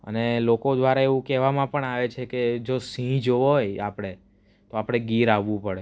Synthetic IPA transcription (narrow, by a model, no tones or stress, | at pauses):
ə̰nelokod̪ʋaɾaeʋũkɛʋamãpəɳaʋet͡ʃʰeked͡ʒosĩd͡ʒoʋoɦojapɽ̃e | t̪oapɽ̃eɡiɾaʋːũpəɽe